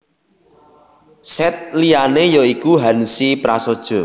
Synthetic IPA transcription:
sɛt̪̚lijanejɔikuɦansipɾasod̥ʒ̥ɔ̤

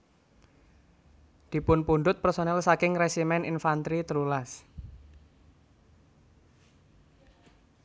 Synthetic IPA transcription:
d̪̥i̤pʊnpuɳɖ̪ʊt̪̚pərsonɛlsakɪŋresimɛninfant̪ɾit̪əlulas

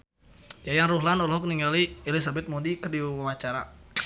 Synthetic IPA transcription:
jajaŋruɦlanɔlɦɔk̚niŋɡalielis̬abɛt̪̚modikərdiwuwawat͡ʃaɾa̰

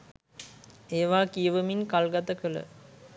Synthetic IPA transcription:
eːʋaːkijəʋəminkalɡat̪əkələ̰

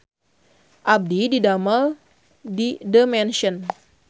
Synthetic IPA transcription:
ʔab̚dididaməl | didəmɛnʃən

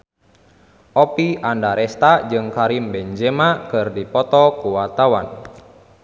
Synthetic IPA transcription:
ʔɔpiʔandaɾɛst̪ad͡ʒɨŋkaɾimbɛɲd͡ʒɛmakɨrdipɔt̪ɔkuwat̪awa̰n

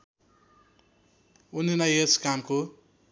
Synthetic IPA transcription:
uninajeskamko

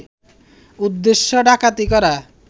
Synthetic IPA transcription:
ud̪ːeʃːoɖakat̪ikɔɾa

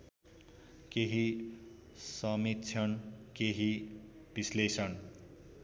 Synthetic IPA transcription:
keɦi | sʌmit̪t͡sʰʌnkeɦi | b̥islesʌn

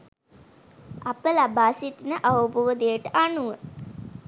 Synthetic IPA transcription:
apəlabaːsit̪inəʔawuboʋd̪ejəʈəʔanuʋə

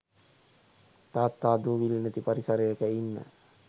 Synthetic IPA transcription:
t̪aːt̪ːaːd̪uːʋilinət̪ipaɾisaɾejəkəinːə̰

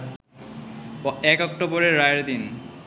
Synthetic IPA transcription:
ɛkɔkʈoboɾeːajeɾd̪in

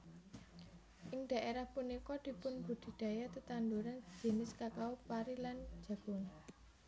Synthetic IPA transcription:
ʔɪŋd̪̥a̤ʔeɾahpunikɔd̪̥i̤pʊnb̥ṳd̪̥i̤d̥a̤jat̪ət̪and̪uɾan̥d͡ʒ̥e̤nɪskakaupaɾilan̥d͡ʒ̥ä̤ɡ̥ɔ̤n

